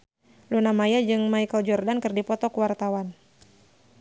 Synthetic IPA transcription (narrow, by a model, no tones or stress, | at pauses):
lunamajad͡ʒɨŋmaikəld͡ʒɔrdankɨrdipɔt̪ɔkuwart̪awan